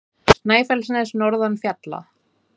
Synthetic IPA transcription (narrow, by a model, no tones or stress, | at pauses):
st̪naːjfɛlsnɛsnɔɾðanfjat̪la̰